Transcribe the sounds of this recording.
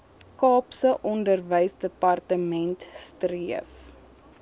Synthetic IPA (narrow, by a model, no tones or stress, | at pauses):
kɑːpsəʔɔndərvəjsdəpɐrtəmɛntstriəf